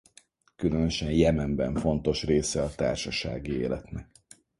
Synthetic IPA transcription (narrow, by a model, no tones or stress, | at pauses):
kylø̞nøʃɛnjɛmɛmbɛɱfo̞n̪t̪o̞ʃreːsɛɒt̪a̰ːrʃɒʃa̰ːɡiḛːlɛt̪nɛk̚